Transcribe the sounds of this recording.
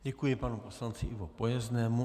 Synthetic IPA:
ɟɛkujɪpanuposlant͡sɪʔɪvopojɛznɛːmu

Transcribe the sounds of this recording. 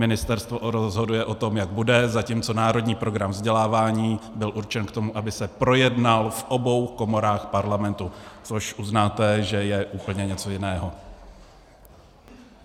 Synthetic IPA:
mɪnɪst̪ɛɾst̪voɾozɦo̞dujɛʔo̞t̪o̞mjaɡ̚budɛzaciːmt͡so̞naːɾo̞dɲiːpɾo̞ɡɾamvzɟɛlaːvaːɲiːbɪlʔuɾt͡ʃɛnkt̪o̞muʔabɪsɛpɾo̞jɛdnalfʔo̞bo̞wko̞mo̞ɾaːxpaɾlamɛnt̪ut͡so̞ʃʔuznaːt̪ɛʒɛjɛʔuːpl̩ɲɛɲɛt͡so̞jɪnɛːɦo

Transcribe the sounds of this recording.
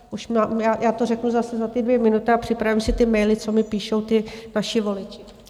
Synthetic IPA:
ʔuʃmaːmjaːjʔaːt̪orɛknuzasɛzat̪ɪdvjɛmɪnut̪ɪapr̥ɪpɾavimsɪt̪ɪmɛjlɪt͡so̞mɪpiːʃo̞wt̪ɪnaʃɪvo̞lɪt͡ʃɪ̥

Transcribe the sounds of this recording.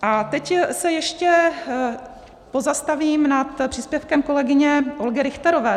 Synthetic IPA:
ʔat̪ɛcsɛjɛʃcɛ | po̞zast̪aviːmnat̪pr̥iːspjɛfkɛmko̞lɛɡɪɲɛʔo̞lɡɛɾɪxt̪ɛɾo̞vɛː

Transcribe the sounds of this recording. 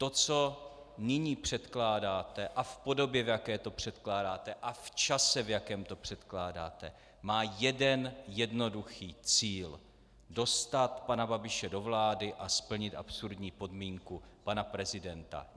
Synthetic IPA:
t̪o̞t͡so̞ | nɪɲiːpr̥ɛt̪klaːdaːt̪ɛʔafpo̞do̞bjɛvjakɛːt̪o̞pr̝̥ɛt̪klaːdaːt̪ɛʔaft͡ʃasɛvjakɛːmt̪o̞pr̝̥ɛt̪klaːda̰ːt̪ɛ̰ | maːjɛdɛnjɛdno̞duxiːt͡siːl | do̞st̪at̪panababɪʃɛdo̞vlaːdɪʔaspl̩ɲɪt̪ʔa̰psuɾdɲiːpo̞dmiːŋkupanapɾɛzɪdɛnt̪a̰

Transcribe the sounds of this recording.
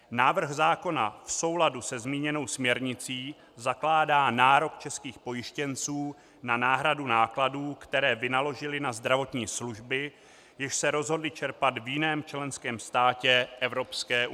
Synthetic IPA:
naːvr̩ɣzaːko̞nafso̞wladusɛzmiːɲɛno̞wsmɲɛɾɲɪt͡siː | zaklaːdaːnaːɾo̞kt͡ʃɛskiːxpo̞jɪʃcɛnt͡suː | nanaːɦɾadunaːkladuːkt̪ɛɾɛːvɪnalo̞ʒɪlɪnazd̪ɾavo̞t̪ɲiːsluʒbɪ | jɪʃsɛɾo̞zɦo̞dlɪt͡ʃɛɾpat̪vjɪnɛːmt͡ʃlɛnskɛːmst̪aːcɛʔɛvɾo̞pskɛːʔ

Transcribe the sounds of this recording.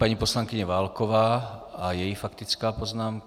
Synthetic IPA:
paɲipɔslaŋkiɲɛʋaːlkɔʋaːajɛjifakt̪it͡skaːpɔznaːmk

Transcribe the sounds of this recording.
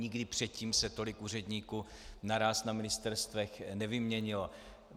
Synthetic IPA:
ɲɪɡdɪpr̥ɛt̪̚ciːmsɛt̪o̞lɪkuːr̝ɛdɲiːku | naɾaːsnamɪnɪst̪ɛɾst̪vɛxnɛvɪmɲɛɲɪlo

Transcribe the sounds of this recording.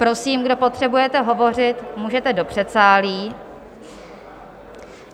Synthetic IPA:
pɾo̞siːmɡdo̞po̞t̪r̝̥ɛbujɛt̪ɛɦo̞vo̞r̝ɪt̪muːʒɛt̪ɛdo̞pr̝̥ɛt̪t͡saːliː

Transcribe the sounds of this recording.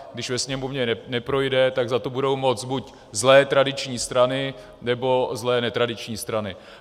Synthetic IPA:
ɡdɪʃvɛsɲɛmovɲɛnɛpɾo̞jdɛt̪aɡzat̪obudo̞wmo̞t͡sbuc | zlɛːt̪ɾadɪt͡ʃɲiːst̪ɾanɪ | nɛbo̞zlɛːnɛt̪ɾadɪt͡ʃɲiːst̪ɾanɪ

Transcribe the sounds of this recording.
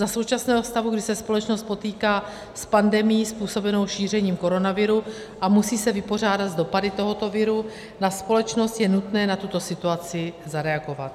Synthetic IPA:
zaso̞wt͡ʃasnɛːɦofst̪aɦuɡdɪsɛspo̞lɛt͡ʃnost̪̚po̞t̪iːkaː | spandɛmɪjiːspuːso̞bɛno̞wʃiːr̝ɛɲiːmko̞ɾo̞navɪɾu | ʔamusiːsɛvɪpo̞r̝aːdad̪zdo̞padɪt̪o̞ɦo̞t̪o̞vɪɾu | naspo̞lɛt͡ʃno̞st̪jɛnut̪nɛːnat̪ut̪o̞sɪt̪uat͡sɪzaɾɛaɡo̞vat̪

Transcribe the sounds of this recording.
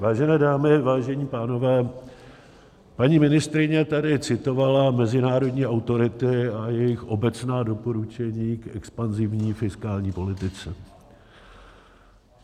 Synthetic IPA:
vaːʒɛnɛːdaːmɪvaːʒɛɲiːpaːno̞vɛː | paɲiːmɪnɪst̪ɾɪɲɛt̪adɪt͡sɪt̪o̞valamɛzɪnaːɾo̞dɲiːʔawt̪o̞ɾɪt̪ɪajɛjɪxʔo̞bɛt͡snaːdo̞po̞ɾut͡ʃɛɲiːkʔɛ̰kspanzɪvɲiːfɪskaːlɲiːpo̞lɪt̪ɪt͡sɛ

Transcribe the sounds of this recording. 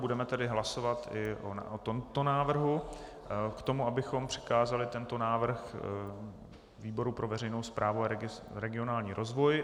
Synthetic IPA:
budɛmɛt̪ɛdɪɦlasovat̪ɪʔo̰ot̪omt̪onaːvr̩ɦu | kt̪o̞muʔabɪxo̞mpr̝̥ɪ̥kaːzalɪt̪ɛnt̪o̞naːvr̩x | viːbo̞ɾupɾo̞vɛɾɛjnowspɾʔaːvuaɾɛɪ | ɾɛɡɪo̞naːlɲiːɾʔo̞zvo̞j

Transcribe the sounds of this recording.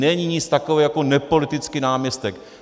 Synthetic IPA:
nɛɲiɲɪt͡st̪akovɛjakonɛpolɪt̪ɪt͡skinaːmɲɛst̪ɛk

